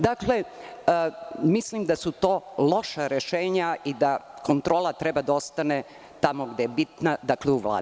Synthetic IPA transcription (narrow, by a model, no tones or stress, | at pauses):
d̪akle̞ | mislimd̪asut̪o̞ːlo̞ʃaɾeʃeːɲaʔid̪akont̪ɾo̞ːlˠat̪ɾebad̪ao̞st̪ane | t̪amoɡd̪ejebit̪nad̪akleuʋla̰ː